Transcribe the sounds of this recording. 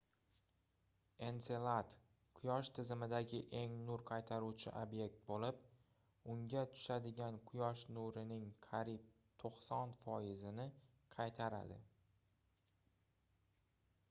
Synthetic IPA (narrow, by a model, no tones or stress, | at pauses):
e̞nselˠat̪ | qʰʊjɒʃt̪ʰɪzɪmɪd̪aɡʲɪʔe̞ŋnʊɾqʰɑjt̪ʰaɾuwt͡ʃʰɪ̰ʔobje̞kt̪̚bolɪp | ʊŋɡʲat̪ʰʊ̥ʃad̪ɪɡʲanqʰʊjɒʃnʊɾɪnɪŋqʰɑɾip̚ | t̪ʰoqsɒnfɒjɪzɪnɪ | qʰɑjt̪ʰaɾa̰d̪ɪ